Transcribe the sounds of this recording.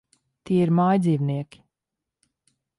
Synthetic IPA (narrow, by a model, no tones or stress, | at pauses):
t̪iɛiɾmajd̪ziːvniɛkʲi̥